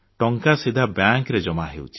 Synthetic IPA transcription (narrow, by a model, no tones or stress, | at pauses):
ʈɔŋkasid̪ʱabjaŋkɾed͡ʒɔmaɦewt͡ʃʰi̥